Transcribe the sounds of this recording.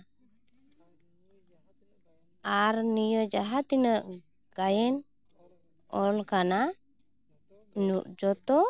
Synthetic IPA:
aɾnijəd͡ʒaɦat̪inəʔ | ɡ̥ajɛn | ɔlkana | nuʔ̚d͡ʒɔt̪ɔ

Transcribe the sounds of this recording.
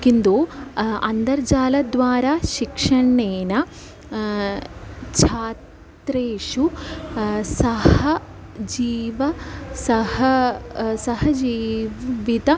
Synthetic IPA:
kind̪uɐnd̪ɐɾd͡ʒaːlɐd̪ʋaːɾaːʃikʂɐɳːeːnɐ | t͡ʃʰaːtt̪ɾeːʂu | sɐhɐ | d͡ʒiːʋɐsɐhɐsɐɦɐd͡ʒiːʋit̪ɐ

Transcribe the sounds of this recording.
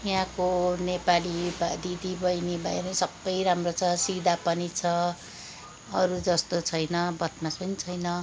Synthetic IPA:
ɦãkonepalibd̪id̪ibʌjnibajɾʌĩsʌbːʌjɾamrot͡sʰʌsid̪ʱapʌnit͡sʰʌ | ʌɾud͡zʌst̪ot͡sʰʌjnʌbʌt̪maspʌnit͡sʰʌjnʌ

